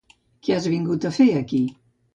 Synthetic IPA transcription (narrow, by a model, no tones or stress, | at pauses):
keazβiŋɡut̪əfeəki